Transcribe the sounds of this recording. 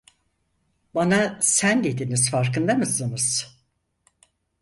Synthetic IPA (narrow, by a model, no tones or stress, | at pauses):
banasænd̪e̞d̪iniz̥faɾkɯnd̪amɯsɯnɯz̥